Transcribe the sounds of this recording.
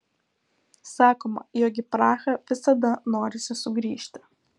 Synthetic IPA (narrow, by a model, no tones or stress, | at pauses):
sɑːkoːmɐ̰joːɡʲɪpɾɑːxɐʋʲɪsɐd̪ɐnoːɾʲɪsʲɪsʊɡɾʲiːʃʲt̪ʲɪ̥